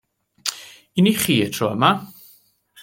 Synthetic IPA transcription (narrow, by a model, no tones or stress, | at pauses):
iniχiːətʰrɔːəma